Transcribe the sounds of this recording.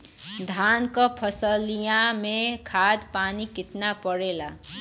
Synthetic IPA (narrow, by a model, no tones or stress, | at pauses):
d̪ʱankʌpʰəsəlijãmekʰad̪panikɪt̪napəɽela